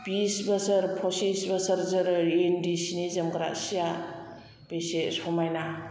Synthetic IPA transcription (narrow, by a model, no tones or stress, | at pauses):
b̥isbɐsɐɾpʰɔsisbasaɾzɯɾendisinizɐmɡɾa̰ʔsija | b̥esesɔmajna